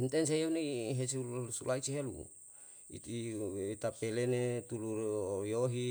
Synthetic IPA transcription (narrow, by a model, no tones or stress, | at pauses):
int̪ɛns̬ejeuneɦesuusulʔait͡ʃiɦelṵ | ḭt̪it̪apelenet̪ulujoɦi